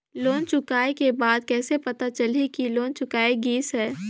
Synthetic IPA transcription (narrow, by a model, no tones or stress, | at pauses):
loːnt͡ʃʊkaːekebaːd̪kɛːsepɐt̪at͡ʃɐlekiloːnt͡ʃʊkaːeɡiːsɦɛː